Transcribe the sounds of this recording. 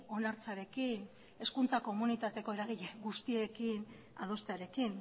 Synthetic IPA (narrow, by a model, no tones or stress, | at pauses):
o̞naɾt͡saɾe̞kin | e̞skunt͡sako̞munit̪at̪e̞ko̞e̞ɾaɣ̞iʎeɡust̪ie̞kin | a̰ð̞o̞st̪eaɾe̞kin